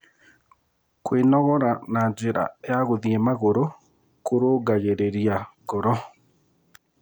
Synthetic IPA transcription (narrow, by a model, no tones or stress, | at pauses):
kwenɔɣɔɾanad͡ʑeɾa̰ejaɣoðiɛmaɣoɾo | koɾoːɡaɣeɾeɾiaɡɔɾɔ